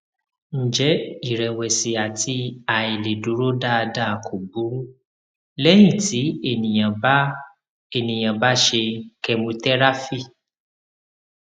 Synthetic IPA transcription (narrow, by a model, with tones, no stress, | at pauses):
n̩˨d͡ʒɛ˨˦i˦˨ɾɛ˨wɛ˨si˨a˨tʰi˧a˨i˨le˨du˨˦ɾo˦da˦˧da˦˨kʰo˨bu˨˦ | lɛ˦j̃ĩ˦˨ti˨˦e˦˨nĩ˨j̃ã˨b | e˦˨nĩ˨j̃ã˨ba˦ʃe˧kɛ˧mũ˧tɛ˦ɾa˦fi˦˨